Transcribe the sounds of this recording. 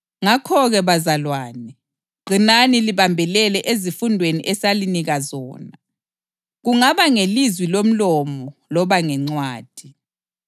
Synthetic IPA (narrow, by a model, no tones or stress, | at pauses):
ŋakʰɔɣɛβazalwaːnɛ | ǃʱinaniliβambʱɛlɛlɛʔezifundʱweniʔɛsaliniɣazɔːna | ɣuŋaβaŋelizwilom̩lɔmɔlɔβaŋɛŋ͡ǀwaːd̥ʱi